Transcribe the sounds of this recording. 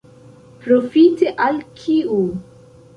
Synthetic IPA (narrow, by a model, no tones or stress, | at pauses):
pɾofiteʔalkʰiu